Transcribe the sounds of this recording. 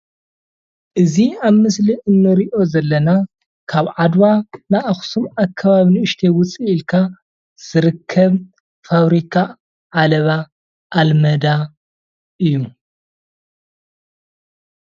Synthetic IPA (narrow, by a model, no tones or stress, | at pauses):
ʔɨziaβmɨsliʔɨnːɨɾiʔo̞zɐlːɐna | kʰaβʕad̪wanaʔaxsumakʰːɐβaβinɨɨʃt̪ʰewʊt͡sʼiːlkʰa | z̥ɨɾɨkʰːɐβ | faβɾikʰa | ʕalɐβa | ʔːlmɐd̪a | ʔɨjːu